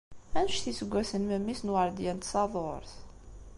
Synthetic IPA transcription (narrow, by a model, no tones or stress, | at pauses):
ænʃθisəɡʷːæsənməmːisnwəɾˤd̪jænt̪sɑðˤoɾθ